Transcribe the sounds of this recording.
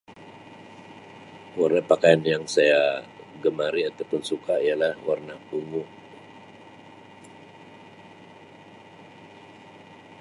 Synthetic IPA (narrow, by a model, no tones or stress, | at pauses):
warnapakajanjaŋsaja | ɡəmaɾiat̪awpʊnsukaijalahwarnauŋu